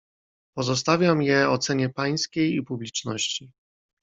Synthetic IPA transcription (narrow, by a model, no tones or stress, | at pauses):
pɔzɔs̬t̪avʲjamjɛɔt̪sɛɲɛpaj̃skʲejipublʲit͡ʂnɔ̰ɕt͡ɕi